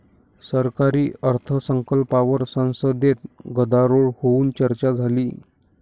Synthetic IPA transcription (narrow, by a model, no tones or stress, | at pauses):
səɾkaɾiːəɾt̪ʰəsəŋkəlpaʋəɾsə̃w̃səd̪et̪̚ɡəd̪aɾoɭhouːnt͡ɕəɾt͡ɕad͡zʱaliː